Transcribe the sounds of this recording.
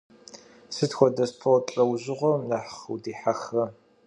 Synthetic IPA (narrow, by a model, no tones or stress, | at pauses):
sɨtxʷɔdɐspʰowtʼɐwʑɪʁʷɔmnaːħχwdiːħaxɐ